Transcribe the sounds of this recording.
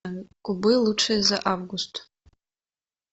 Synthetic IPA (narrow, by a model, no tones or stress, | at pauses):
kʷʼʊbɨjluʈ͡ʂʰejzaʔavɡʊstʰʼ